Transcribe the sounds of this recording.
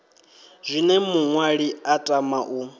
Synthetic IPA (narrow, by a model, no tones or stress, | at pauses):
zʷinɛmuŋwaɺiatʼamaʔu